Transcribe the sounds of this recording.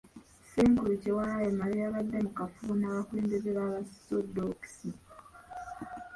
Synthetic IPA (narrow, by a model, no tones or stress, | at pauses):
seːŋkulucewaːjemaɾiaβadːe̞mukafuːnaβakweːmdeɾeβaːβastodoki̥si